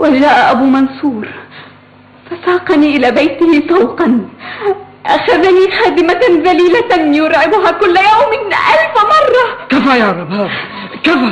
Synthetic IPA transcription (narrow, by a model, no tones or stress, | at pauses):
wad͡ʒaːʔaʔabuːmɑnsˤuːɾˤ | fasɑːqɑniːʔɪlaːbajt̪ɪhɪsˤɑwqɑn | ʔaxaðaniːxaːd̪ɪmaðaliːlajʊɾˤʕɪbʊɦaːkʊlːajawmɪnʔalfmɑrˤːɑkafajɑʕɾˤɑba | kafa